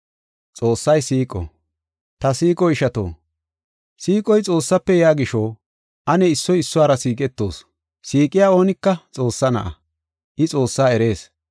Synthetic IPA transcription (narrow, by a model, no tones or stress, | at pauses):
t͡sʼoːsːɐjsiːkʼɔ̰ | t̪ɐsiːkʼɔɪʃɐt̪o̰ː | siːkʼɔjt͡sʼo̞ːsːɐpːɛjaːɡɪʃoː | ʔɐnɛɪsːɔjɪsːʊwaːɾɐsiːkʼɛt̪ːo̞̰ːs | siːkʼɪjaːo̞ːnɪkːɐt͡sʼo̞ːsːɐnɐ̰ʔɐ̰ | ʔɪt͡sʼo̞ːsːaːɛɾe̞ːs